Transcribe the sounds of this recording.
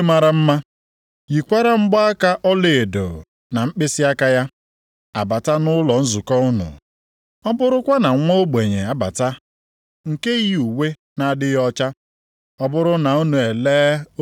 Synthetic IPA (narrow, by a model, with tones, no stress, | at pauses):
ma˨ɾa˦m̩˦ma˦ | ji˨kʷa˦ɾa˦m̩˦ɡ͡bɔ˦a˦ka˦ʔɔ˦le˨e˨do̰˨ | na˨m̩˦k͡pɪ˦sɪ˦a˦ka˦ja˦ | a˨ba˨ta˦nʊ˦lɔ˨n̩˦zu˨kɔ˦ʊ˦nʊ̰˨ | ɔ˦bʊ˦ɾʊ˦kʷa˦na˨ŋʷo˦ɡ͡be˨ɲe˨a˨ba̰˨ta˦ | ŋ̩˨ke˦ji˦u˨we˦ | na˨dɪ˦jɔ˦t͡ʃa˦ | ɔ˦bʊ˦ɾʊ˦na˨o˦nu˨e˨leː˦